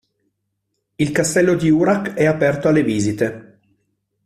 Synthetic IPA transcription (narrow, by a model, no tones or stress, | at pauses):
ilkast̪ɛlːod̪iuɾakɛapɛrt̪oalːeviːzit̪e